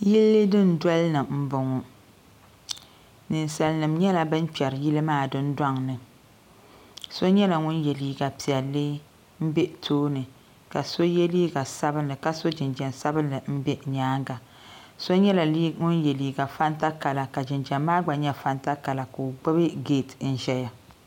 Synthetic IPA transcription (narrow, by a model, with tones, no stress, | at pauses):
ji˦lːɨ˦dɨ˦n̩˨dɔ˦lnɨ˨m̩˦bʊ˨ŋɔ˨ | nɨ˨n˨sa˨lnɨ˨mɲɛ˦la˨bɨ˦n̩˦pɛ˨ɾɨ˨ji˦lɨ˦maː˦˨dɨ˦n̩˦da˦ŋnɨ˨ | so˦ɲɛ˦la˨ŋʊ˦njɛ˨liː˦ɡa˨pi˨ɛ˨lːɨ˦ | m̩˦be˦tʰoː˦nɨ˨ | ka˨so˦jɛ˦liː˦ɡa˨sa˦bɨ˦nːɨ˨ka˨so˦d͡ʒɪ˨nd͡ʒɛ˨nsa˦bɨ˦nːɨ˨m̩˦bɛ˦ɲaː˨˦ŋɡa˨ | so˦ɲɛ˦la˨li˦ŋʊ˦njɛ˨liː˨ɡa˨fa˦n˦ta˦ka˨la˨ka˨d͡ʒɪ˨nd͡ʒɛ˨mːaː˦ɡ͡ba˨ɲɛ˦fa˦nta˦ka˨la˨ko˨o˨ɡ͡bɛ˦bɨ˦ɡeː˦˨tn̩˦ʒɛ˦ja˨